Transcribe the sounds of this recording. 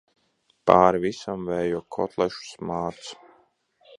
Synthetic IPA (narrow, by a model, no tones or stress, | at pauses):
paːɾvisamvɛːjuːkʰɔ̰t̪lˠɛʃu̥smaːt̪su̥